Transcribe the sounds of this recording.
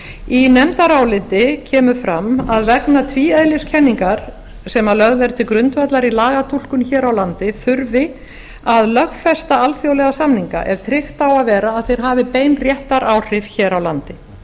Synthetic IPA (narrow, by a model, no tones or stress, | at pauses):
inɛmt̪aɾaːwlɪnt̪ɪcʰɛːmʏfɾamːaðvɛknat̪ʰviːœðlɪscʰɛnːiŋkaɾ̥ | sɛmalœɣðvɛɾt̪ɪkɾʏnt̪vat̪laɾilaːɣat̪ʰul̥kʏnçɛːɾawlant̪ɪfʏɾvɪ | aðlœxfɛst̪aalθjowlɛɣasamniŋka̰ʔɛɾ̥t̪ʰɾɪxt̪awaðvɛːɾaːðθejɾ̥ɦaːvɪpeːjnrjɛht̪aɾʔaːwr̥ɪfçɛːɾawlant̪ɪ